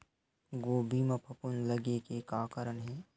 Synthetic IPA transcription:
ɡoːbʱiːmɐpʰɐpʊnlɐɡekekaːkəɾənɦɛː

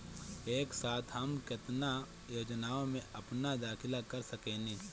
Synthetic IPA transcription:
eːksaːt̪ʰɦɐmkɪt̪na | joːd͡ʒnaːõmẽʔɐpnad̪aːkʰɪlakɐɾsɐkeːneː

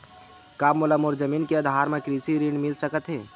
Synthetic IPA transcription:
kaːmoləmoːɾd͡ʒəmiːnkeɐd̪ʱaːɾmẽkɾiːsiɾiːɳmɪlsɐkət̪ɦeː

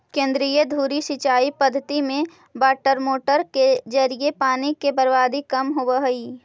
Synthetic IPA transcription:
kẽːnd̪ɾijəd̪ʱuːɾisɪt͡ʃaːipəd̪ʱːət̪imẽ | baːʈəɾmoːʈəɾked͡ʒəɾiepaːnikebəɾbaːd̪ikɐmɦobəɦɐiː

